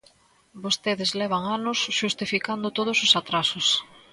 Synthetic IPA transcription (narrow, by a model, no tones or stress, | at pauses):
bost̪eðezlɛβ̞aŋanʊsʃust̪ifikand̪ʊt̪oð̞ʊsʊsat̪ɾasʊs